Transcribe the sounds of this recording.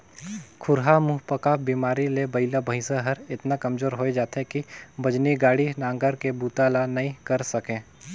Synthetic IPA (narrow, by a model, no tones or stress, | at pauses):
kʰʊɾɦamuɦpɐkabiːmaːɾilebɐɪlabʱɐɪ̃saɦɐɾɪt̪nakɐmd͡ʒoːɾɦoːed͡ʒaːt̪ekibɐd͡ʒniɡaːɽinãːŋɡəɾkebuːt̪alanɐĩkɐɾsɐkẽː